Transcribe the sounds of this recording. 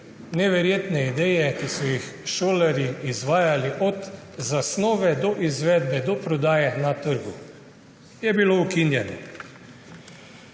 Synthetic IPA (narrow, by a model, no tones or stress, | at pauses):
nɛʋɛɾjeːt̪nɛid̪ɛjɛkisɔjixʃoːlaɾjiːzʋaːjaliʔɔd̪ | zasnɔːʋɛd̪ɔʔizʋɛːd̪bɛd̪ɔpɾɔd̪aːjɛnat̪əɾɡu | jɛbiloukinjɛnɔ